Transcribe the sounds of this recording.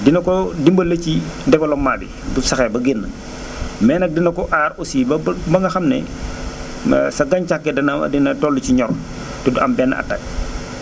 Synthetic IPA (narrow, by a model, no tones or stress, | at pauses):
dinɐkɔdimbəlecindɛbɐlɔmːaːbḭ | busɐxɛbɐɡinːɐ | mɛːnɐk̚dinɐkɔʔaːɾosiːbɐbmbɐŋɡɐxɐmnɛ | sɐɡɐɲcakːɛdɐnamɐ̰dinɐtɔlːuciɲɔɾ | tɔduɐmbɛn̰ːɐ̰tɐk̚